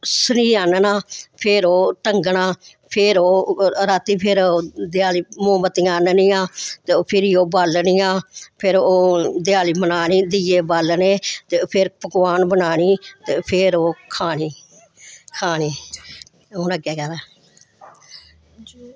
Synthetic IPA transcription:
səniːaːnənaːpʰɪɾoːʈəŋɡɳaː | pʰɪɾoːɾaːt̪iːpʰɪɾd̪ɪjaːliːmõːmət̪ijaːnəniaːt̪eːpʰɪɾiːoːbalniːaːpʰɪɾoːd̪ɪjaːliːbənaːniːd̪ijeːbalneːt̪epʰɪɾpəkʋaːnbənaːɳiːt̪eːpʰɪɾoːkʰaːɳiː | kʰaːniː | oːnəɡɛːkɛɾɛː

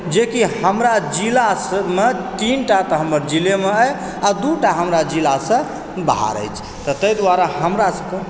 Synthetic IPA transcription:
d͡ʒekihəmɾad͡ʒilasəmet̪inʈat̪əɦəməɾd͡ʒilemeəj | ad̪uʈaɦəmɾad͡ʒilasə̃ | bəɦa̰ɾə̰jt͡ʃʰ | t̪ɔt̪əjd̪waɾaɦəmɾasəkə

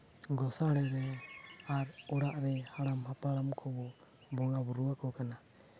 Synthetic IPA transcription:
ɡɔsaɽɛɾɛaɾɔɽaʔɾɛhaɽamhapaɽamkʰɔbɔ | bɔŋabuɾuwakɔkana

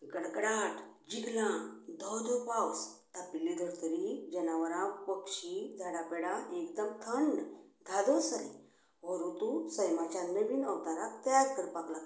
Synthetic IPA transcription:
ɡəɽkɽaʈʰd͡ʑiɡlãd̪ʱɔwd̪ʱɔpawst̪apilid̪ʱəɾt̪əɾid͡ʑənaʋəɾãpəkɕid͡zʱaɽapɛɽaʔekd̪əmt̪ʰəɳɖd̪ʱad̪ɔsəɾɛ̰ | ʋəɾut̪usəjmat͡ɕanəʋiːnəʋt̪aɾakt̪əjaɾk̪əɾpakla

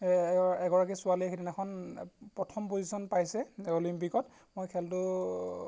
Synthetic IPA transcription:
ɛɡɔɹak̬isʊaliexidinɛkʰɔnpɹɔtʰɔmpozisɔnpajsɛolimpikɔt | mojkʰɛltʊ

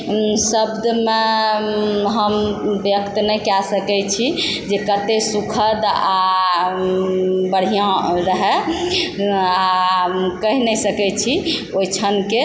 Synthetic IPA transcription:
səbd̪me | ɦəmbjəkt̪nɛjkasəkɛt͡ʃʰi | d͡ʒekəɾt̪esukʰəd̪a | bəɽ̤ijãɾəɦɛ | a | kəɦinɛsəkɛt͡ʃʰiojt͡ʃʰənke

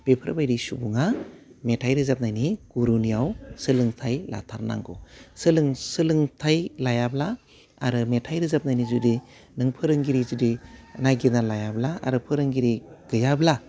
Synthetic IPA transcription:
b̥epʰɯɾbajɾisubuŋametʰajɾɯzap̚najniɡ̥uɾunijawsɯlɯŋtʰajla̰tʰa̰ɾna̰ŋɡosɯlɯŋsɯlɯŋtʰajlajabla | aɾɯmetʰajɾɯzap̚najnizudi | nɯŋpʰɯɾɯŋɡiɾizudinajɡinalajablaa̰ɾɯpʰɯɾɯŋɡiɾiɡ̥ɯjabla

